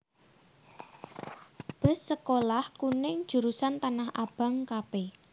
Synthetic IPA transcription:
b̥ə̤sːəkolahkunɪŋd̥ʒ̥uɾusant̪anahʔab̥a̤ŋkape

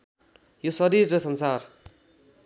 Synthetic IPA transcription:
josʌɾirːʌsʌnsar

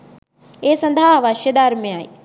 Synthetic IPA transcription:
eːsɐ̃nd̪ʱaːɦʋaːʃjɐd̪aːɾmẽaːḭ

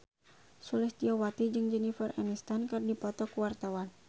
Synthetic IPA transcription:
sulɪsd̪iawat̪id͡ʒɨŋd͡ʒənifɛranist̪ankɨrdipɔt̪ɔkuwart̪awan

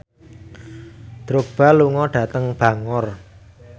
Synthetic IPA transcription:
d̪̥ɾob̥a̤luŋɔɖ̥ä̤t̪əŋb̥ä̤ŋʊr

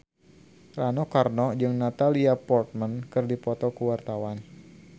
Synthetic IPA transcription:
ranɔkarnɔd͡ʒɨŋnat̪aliapɔrt̪̚mankɨrdipɔt̪ɔkuwart̪awan

